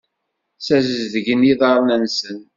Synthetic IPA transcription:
sæzəzðəʝəniðɑɾˤnænsən

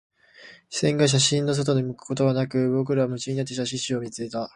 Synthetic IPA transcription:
sẽ̞ŋɡaɕ̬aɕĩnːo̞s̬o̞t̪̬o̞d̪imɯ̟kɯ̟̥ko̞t̪o̞βanakɯ̟bo̞k̬ɯ̟ɾaβmɯ̟t͡ɕiɲinat̪̬ːeɕaɕĩɕɨo̞mʲit͡sɨet̪a

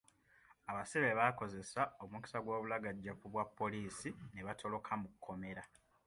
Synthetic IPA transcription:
aβasiβeβaːko̞ze̞sao̞umuki̥saɡwo̞ːβulaɡaɟːakuβwapːo̞liːsine̞βatʰo̞lo̞kʰamukʰːo̞me̞ɾa

